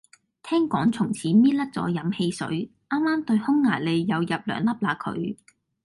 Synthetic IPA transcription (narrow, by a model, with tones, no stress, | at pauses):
t̪ʰɛː˥ŋkʷɔː˨˥ŋt͡sʰʊ˨˩ŋt͡sʰiː˨˥miː˥t̚lɐ˥k̚t͡sɔ̰ː˨˥jɐ˨˥mhe˧jsɵ̰˨˥ɥʔaː˥mːaː˥mt̪ɵ˧ɥhʊ˥ŋːaː˨˩jle˨˧jːɐ˨˧wjɐ˨p̚lœ̰ː˨˩ŋlɐ˥p̚laː˨˧kʰɵ̰˨˧ɥ